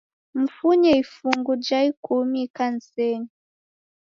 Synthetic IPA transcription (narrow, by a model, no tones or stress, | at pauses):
m̩fuɲɛifuŋɡud͡ʒaikumikan̩sɛni